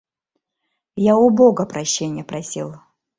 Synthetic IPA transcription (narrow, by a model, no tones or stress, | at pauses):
jaʊboɡəpɾɐɕːenʲɪjəpɾɐsʲḭlˠ